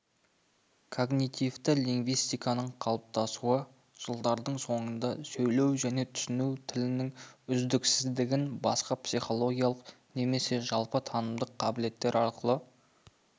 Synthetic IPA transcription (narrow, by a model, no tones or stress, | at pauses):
kʰo̞ɡnit̪ift̪ɪliŋɡvijst̪ijkɑnəɴqʰɑlˠəp̚t̪ɑsuə | ʒ̥əlˠd̪ɑɾd̪əɴso̞ɴənd̪ɑsɵjle̞wʒæne̞t̪ʰʏ̥sɪnuwt̪ʰɪlɪnɪŋʏzd̪ɪksɪzd̪ɪɡʲɪnbɑsqɑpsiχo̞lˠo̞ɡʲijalˠəq | ne̞me̞se̞ʒɑlˠpət̪ʰɑnəmd̪əqʰːɑbɪle̞t̪ːe̞ɾɑɾqəlˠə